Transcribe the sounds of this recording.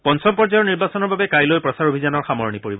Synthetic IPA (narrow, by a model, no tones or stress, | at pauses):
pɔnsɔbpɔɹzajɔɹniɹbasɔnɔɹbabɛkajlojpɹɔsaɹobʱizanɔɹxamɔɹnipoɹibɔ